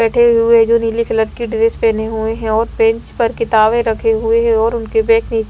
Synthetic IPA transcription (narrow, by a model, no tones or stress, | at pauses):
ɛːʈʰeɦʊed͡ʒoːniːlipʰɪləɾkiɖɪɾeːspɛːneɦʊeɦɛ̃ɔːɾbɛ̃ɲt͡ʃpɐɾkɪt̪aːʋẽɾɐkʰeɦʊeɦɛ̃ɔːɾʊnkebɛ̃ːkniːt͡ʃ